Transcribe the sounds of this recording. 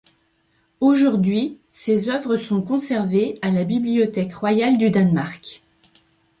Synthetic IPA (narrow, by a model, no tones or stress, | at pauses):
oʒuʁd̪ɥi | sezœvʁəsɔ̃kɔ̃sɛʁvealabibliɔt̪ɛkʁwajald̪yd̪anmaʁk